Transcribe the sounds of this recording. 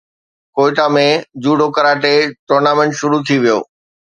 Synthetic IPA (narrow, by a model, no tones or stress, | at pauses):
koːɪʈamẽd͡ʑuːɖʱokəɾaːʈeʈoːɾnaːmẽɳʈʃʊɾut̪ʰiʋijo̰ː